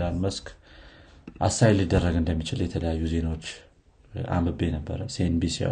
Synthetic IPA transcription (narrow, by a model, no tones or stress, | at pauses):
lalməsk | ʔa̰sːajlɨd̪ːərːəɡɨnd̪əmːit͡ʃɪljɛt̪ʰələjajːuze̞nawot͡ʃː | ʔa̰mɨbe̞nəbːə̰ɾəsienbisia̰